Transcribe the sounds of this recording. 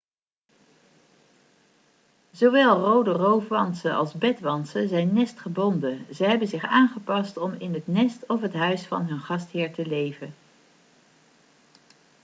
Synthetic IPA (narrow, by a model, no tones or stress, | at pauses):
zoʋɛlˠrowdərowfʋɑnsənʔɑ̰lˠzbɛtʋɑnsəzɛjnːɛstχəbɔndəzəɦɛbənzɪχaːnχəpɑstɔmɪnɦətnɛstɔfɦətɦœɥsfɑ̰nɦɵnχɑstɦɪːɹtəlejvən